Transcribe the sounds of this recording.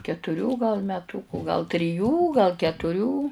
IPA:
kʲɛtʊˈrʲuː ɡɐlˠ mʲɛˈtuːkʊ ɡɐlˠ tʲrʲɪˈjuː ɡɐlˠ kʲɛtʊˈrʲuː

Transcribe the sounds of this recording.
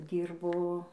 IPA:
ˈdʲiːrboː

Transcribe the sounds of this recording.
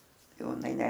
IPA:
ˈjɛʊ ɪˈnɐɪ ˈnʲɛ

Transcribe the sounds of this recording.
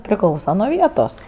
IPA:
pʲrʲɪˈklˠɐʊsɐ nuɔ ˈʋʲiɛtoːs

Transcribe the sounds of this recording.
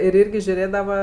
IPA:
ɪr ˈiːrʲɡʲɪ ʒʲʊˈrʲeːdɐʋɐ

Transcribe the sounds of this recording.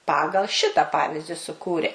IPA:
ˈpɑːɡɐlˠ ˈʃʲɪtɐ ˈpɑːʋʲɪzʲdʲɪ sʊˈkuːrʲeː

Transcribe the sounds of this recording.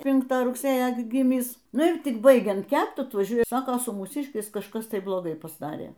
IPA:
ˈpʲɪŋktɑː rʊkˈsʲeːjoː ɡʲɪ ˈɡʲiːmʲɪs ˈnʊ ɪr ˈtʲɪk ˈbɐɪɡʲɛnt ˈkʲɛpt ɐtʋɐˈʒʲuɔjɛ ˈsɑːkoː sʊ muːˈsʲɪʃʲkʲɛɪs kɐʃˈkɐs ˈtɐɪ blˠoːˈɡɐɪ pɐzˈdɑːrʲeː

